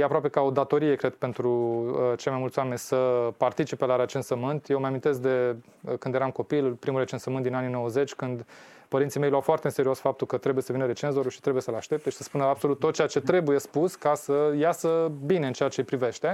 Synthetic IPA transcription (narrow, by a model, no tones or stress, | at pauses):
jeapɾoapekao̞d̪at̪o̞ɾije̞kɾe̞d̪pe̞nt̪ɾut͡ʃelmajmult̪sowame̞nʲsəpart̪it͡ʃipelaɾet͡ʃensəmɨnt̪jewməjamint̪e̞sk̚d̪e̞ | kɨnd̪jeɾamko̞pilpɾimulre̞t͡ʃe̞nsəmɨnt̪d̪inanino̞wəze̞t͡ʃʲkɨnd̪ | pəɾint̪sijme̞jlawfoart̪eɨnseɾio̞sfap̚t̪ulkət̪ɾe̞bujesəvinəɾe̞t͡ʃe̞nzoɾuʃit̪ɾe̞buje̞səlaʃt̪e̞p̚t̪eʃi̥səspunəab̥so̞lut̪ːot̪̚t͡ʃeat͡ʃe̞t̪ɾe̞buje̞spuskasəjasəbine̞ɨnt͡ʃejat͡ʃe̞pɾive̞ʃt̪e̞